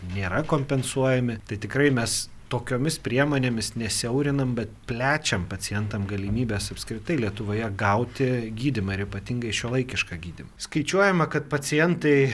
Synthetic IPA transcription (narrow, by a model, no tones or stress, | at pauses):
nʲeːɾɐkoːmʲpʲɛnsuɔjɛmʲɪt̪ɐɪt̪ʲɪkɾɐɪmʲɛs | t̪oːkʲoːmʲɪspʲɾʲiɛmoːnʲeːmʲɪsnʲɛsʲɛʊɾʲɪnɐmbʲɛt̪̚pʲlʲæːt͡ʃʲɛmpɐt͡s̪ʲɪjɛnt̪ɐmɡɐlʲɪmʲiːbʲeːsɐpskɾʲɪt̪ɐɪlʲiɛt̪ʊʋoːjɛɡɐʊt̪ʲɪɡʲiːd̪ʲɪmɐɪɾɪpɐt̪ʲɪŋɡɐɪʃʲuɔlˠɐɪkʲɪʃkɑːɡʲiːd̪ʲɪmɐskɐɪt͡ʃʲuɔjɛmɐkɐt̪pɐt͡sʲɪjɛnt̪ɐɪ